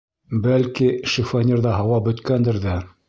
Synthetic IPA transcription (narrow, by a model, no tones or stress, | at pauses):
bælkiʃifanʲeɾðɑɦɑwɑbɵ̆t̪kænd̪ɘ̆ɾðæ